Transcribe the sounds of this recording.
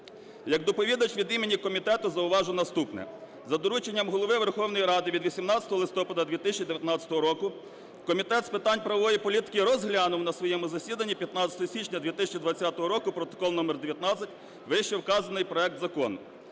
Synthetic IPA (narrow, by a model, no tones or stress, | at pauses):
jɐkd̪ɔpɔʋʲid̪ɐt͡ʃʋʲid̪imenʲikɔmʲit̪ɛt̪ʊzɐʊʋɑʒʊnɐst̪upnɛ̰ | zɐd̪ɔɾut͡ʃenʲːɐmɦɔlˠɔʋɪʋerxɔwnɔjiɾɑd̪ɪʋʲid̪ʋisʲimnɑt͡sʲɐt̪ɔɦɔlˠɪst̪ɔpɐd̪ɐd̪ʋʲit̪ɪsʲt͡ʃʲid̪eʋjɐt̪nɑt͡sʲɐ̥t̪ɔɦɔɾɔkʊ | kɔmʲit̪ɛt̪spɪt̪ɑnʲpɾɐʋɔʋɔjipɔlʲit̪ɪ̥kɪɾɔzɦlʲanʊwnɐsʋɔjɛmʊzɐsʲid̪ɐnʲːipʲjɐt̪nɑt͡sʲɐ̥t̪ɔɦɔsʲit͡ʃnʲɐd̪ʲʋʲit̪ɪsʲɐt͡ʃid̪ʋɐt͡sʲːat̪ɔɦɔɾɔkʊpɾɔt̪ɔ̥kɔlˠnɔmɛrd̪eʋʲjɐt̪nɑt͡sʲɐtʲ | ʋɪʃɛwkɑzɐnɪjpɾɔɛk̚t̪zɐkɔnʊ̰